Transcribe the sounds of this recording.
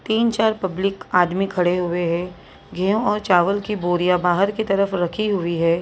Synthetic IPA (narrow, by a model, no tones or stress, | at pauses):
t̪iːnt͡ʃaːɾpɐblɪkaːd̪mikʰɐɽeɦʊeɦɛ̃ː | ɡʱeːõɔːɾt͡ʃaːʋəlkiboːɾijabaːɦəɾkit̪ɐɾəfɾɐkʰiɦʊiɦɛː